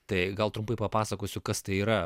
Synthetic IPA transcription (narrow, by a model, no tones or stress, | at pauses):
t̪ɐɪɡɐlˠt̪ɾʊmpɐɪpɐpɑːsɐkoːsʲʊkɐst̪ɐɪiːɾɐ